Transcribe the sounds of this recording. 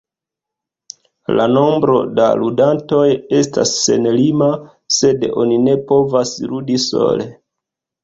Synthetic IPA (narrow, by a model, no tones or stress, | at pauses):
lano̞mbɾo̞da̰ludanto̞je̞sta̰sːe̞nlima | se̞do̞̰nine̞po̞vasludiso̞̰le̞